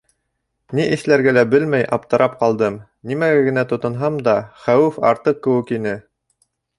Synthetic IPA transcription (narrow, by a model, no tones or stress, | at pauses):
niʔɘ̆θlæɾɡælæbɘlmæjʔɑp̚t̪ɤ̆ɾʔɑp̚qɑlˠd̪ɤm | nimæɡæɡɘ̆næt̪ŏt̪ɤ̆nɦɑmd̪ɑχæwɘfɑ̰ɾt̪ɤq̚kːɘ̆wɘkinɘ